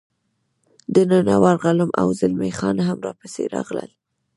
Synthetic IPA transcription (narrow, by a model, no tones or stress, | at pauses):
d̪ənanɑwɑɾɣalamʔa̰wzɪlmexɑnaɦamɾɑpəseɾɑ̰ɣlə̰l